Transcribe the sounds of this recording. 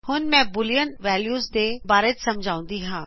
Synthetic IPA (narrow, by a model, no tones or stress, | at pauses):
hʊnmɛ̃ːbʊlijənʋɛːljuːzd̪eːbaːɾetsɐmd͡ʒʱaːũnd̪iːɦãː